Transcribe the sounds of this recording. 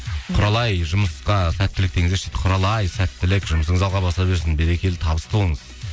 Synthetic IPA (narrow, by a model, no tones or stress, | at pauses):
qʰʊɾɑlˠɑjʒʊməsqɑsæt̪ːɪlɪk̚t̪e̞ŋɪzeʃe̥t̪ɪ̥qʰʊɾɑlˠɑjsæt̪ːɪlɪkʒʊməsəɴəzɑlˠʁɑbɑst̪ɑbeɾsɪnbeɾekʲe̞lt̪ʰɑbəst̪əbo̞lˠəɴəz